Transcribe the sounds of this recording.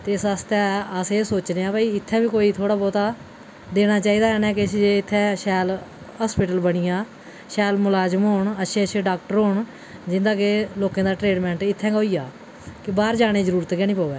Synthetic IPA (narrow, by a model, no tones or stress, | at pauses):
t̪eːsəst̪ɛːəseːsoːt͡ʃneːãːbaːiːɪt̪ʰːɛ̃ːbiːkoːiːt̪ʰoːɽaːbɔːt̪aː | d̪eːñaːt͡ʃaːiːd̪aːɛnɛ̃ːkɪsd͡ʒeɪt̪ʰːɛ̃ːʃɛːl | ɦaːspɪʈəlbəɽɪjãː | ʃɛːlmʊlaːd͡ʒəmoːɳətːʃʰeːəʃʰẽːɖaːk̚ʈəɾɦoːɳ | d͡ʒɪ̃nd̪aːkeloːkãːd̪aːʈɾeːɖmɛ̃ːɳʈɪt̪ʰːɛ̃ːkoːiːjaː | kɪbaːɾd͡ʒaːɽ̃eːd͡ʒəɾuːɾt̪kɛːnĩːpaːoɛ̰ː